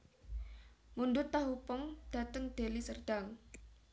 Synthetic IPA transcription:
mundʊt̪ːaɦupɔŋd̪̥ä̤t̪əŋd̪̥e̤lisərd̥a̤ŋ

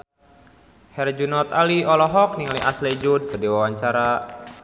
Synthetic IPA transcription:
hɛrd͡ʒunɔt̪aliɔlɔɦɔk̚niŋaliʔasled͡ʒud̚pədewawaɲt͡ʃaɾa

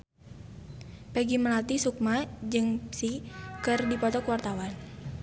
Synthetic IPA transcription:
pɛɡiməlat̪isuk̚mad͡ʒɨŋsikɨrdipɔt̪ɔkwart̪awan

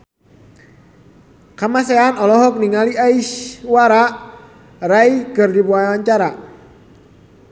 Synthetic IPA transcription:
kamasɛanɔlɔɦɔk̚niŋaliaiʃwaɾa | raikɨrdibuawaɲt͡ʃaɾa

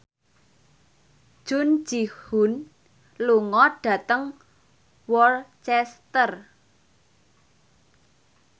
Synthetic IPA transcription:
ʒ̥ʊ̤n̥d͡ʒ̥ihun | luŋɔɖ̥a̤t̪əŋ | wɔrt͡ʃɛst̪ər

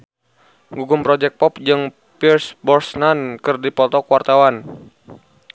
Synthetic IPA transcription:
ŋɡuɡumpɾɔd͡ʒɛk̚pɔp̚d͡ʒɨŋ | pirsbɔrsnankɨrdipɔt̪ɔkwart̪awan

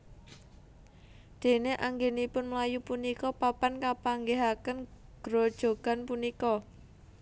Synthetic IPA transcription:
d̪̥e̤neʔaŋɡenipʊnmlajupunikɔpapankapaŋɡeɦakənɡ̥ɾod̥ʒ̥o̤ɡ̥a̤npunikɔ

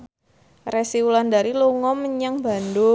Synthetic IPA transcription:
resiulandaɾiluŋɔməɲaŋba̤ndo

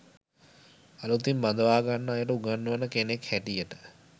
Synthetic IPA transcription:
alut̪imband̪əʋaːɡanːəːjəʈəuɡanːuʋənːəkenekhɛʈijəʈə̥

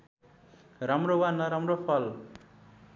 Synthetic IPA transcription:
ramrowanʌɾamropʰʌl

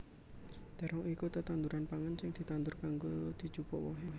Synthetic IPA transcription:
d̪̥a̤ɾɔŋikut̪ət̪and̪uɾanpaŋansɪŋd̪̥i̤t̪and̪ʊrkaŋɡod̪̥i̤̥d͡ʒ̥upɔwɔ̰ɦɔɦ

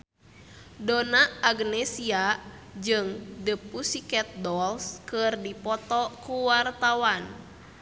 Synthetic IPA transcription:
donaaɡnɛsiad͡ʒɨŋdəpusikɛt̪̚dɔlskɨrdipɔt̪ɔkuwart̪awan

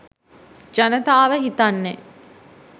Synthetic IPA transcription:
d͡ʒɐnət̪aːʋəɦit̪anːe

